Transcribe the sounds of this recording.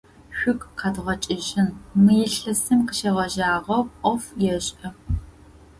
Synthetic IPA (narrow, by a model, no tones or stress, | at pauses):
ɕʷᶣʊkʼqɑdʁɐt͡ʃʼɪʒɪnmɨjɪɬɐsɨmqəʃeːʁɐʒaːʁɐwʔʷɔfjɛɕʼʔɐ